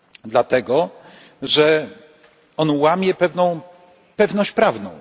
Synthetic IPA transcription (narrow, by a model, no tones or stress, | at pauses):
d̪lat̪ɛɡɔ | ʐɛ | ɔnwamʲjɛpɛvnɔ̃w̃ | pɛvnɔɕt͡ɕpɾavnɔ̰̃w̃